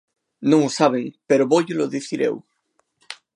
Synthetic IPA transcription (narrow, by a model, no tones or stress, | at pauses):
nõŋosaβ̞eŋpeɾoβoʎoloðiθiɾḛw